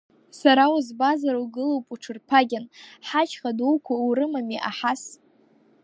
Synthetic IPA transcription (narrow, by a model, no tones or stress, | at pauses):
saɾawuzbazaɾuɡɨlowpʼuʈ͡ʂʰɨrpʰaɡʲanħat͡ʃʰχaduwkʷauɾɨmamiʔaħas